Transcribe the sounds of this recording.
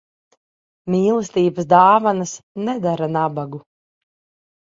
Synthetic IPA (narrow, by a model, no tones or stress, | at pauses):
miːlˠɨst̪iːbəsd̪aːvanasnɛd̪aɾanabaɡu